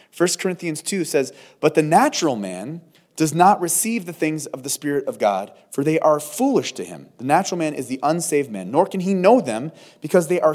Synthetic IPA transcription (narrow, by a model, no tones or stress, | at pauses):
fɜ˞skʰə˞ɪ̃nθiɨ̃nz̥tʰʉsɛz | b̥ʌt̪̚ðɨnæt͡ʃɹl̩ˠmæ̰̃n | d̥ʌznəʔ̚ɹɨsivðɨθɪ̃ŋzʌvðɨspɪɹɨɾʌvɡɑ̰d̥ | fə˞ðeɪʔə˞fulˠɪʃtʰɨɪ̰̃mðɨnæt͡ʃɹl̩ˠmæ̃nɨ̰zðiʔʌ̃nseɪvd̚mæ̰̃nːɔɹkɨ̃ninoʊðɨ̃m | b̥ɨkʰʌzðeɪʔə˞